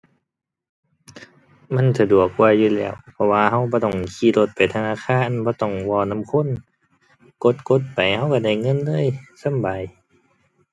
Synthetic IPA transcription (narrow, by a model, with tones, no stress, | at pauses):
ma˧˥˨nsa˧du˨˩ək̚ːwaː˧juː˧˨lɛ̰ː˧˩˨wpʰɔ˧waː˧˨ɦa˧˥˨wbɔː˧˦t̪ɔ˧˩ŋkʰiː˧˨lo˧t̪̚pa˨jt̪ʰa˧naː˧˥˨kʰaː˧˥˨nbɔː˧˦t̪ɔ˧˩ŋwɔː˧˨na˧˥˨mkʰo˧˥˨n | ko˧˦t̪̚ko˧˦t̪̚pa˨jha˧˨wka˧˩da˧˩jŋɤ˧˥˨nlɤː˧˥˨jsa˧˥˨mbaː˨j